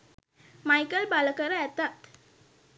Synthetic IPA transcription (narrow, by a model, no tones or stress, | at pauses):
majkəlbaləkəɾəɛt̪at̪